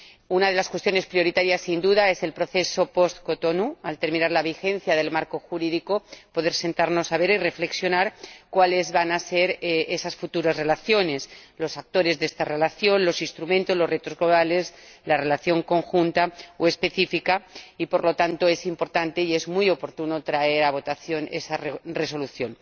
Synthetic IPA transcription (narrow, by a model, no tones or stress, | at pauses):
unað̞e̞laskwe̞st̪jo̞ne̞spɾjo̞ɾit̪aɾjasːind̪uðae̞se̞lpɾo̞θe̞so̞po̞st̪ko̞t̪onualt̪e̞ɾmĩnaɾlaβixẽ̞n̟θjaðe̞lmaɾko̞xuɾiðiko̞po̞ðe̞ɾse̞nt̪aɾno̞saβe̞ɾire̞fle̞ksjo̞naɾkwale̞zβanase̞ɾesasfut̪uɾazre̞laθjo̞ne̞slo̞sak̚t̪o̞ɾe̞zðest̪are̞laθjo̞nlo̞sinst̪ɾumẽnt̪o̞zlo̞zre̞t̪o̞zɣlo̞β̞ale̞zlare̞laθjo̞ŋko̞ŋxunt̪aoe̞spe̞θifikaipo̞ɾlo̞t̪ant̪o̞e̞simpo̞ɾt̪ant̪e̞ie̞zmujo̞po̞ɾt̪uno̞t̪ɾae̞ɾaβ̞o̞t̪aθjo̞ne̞̰sarre̞so̞luθjo̞n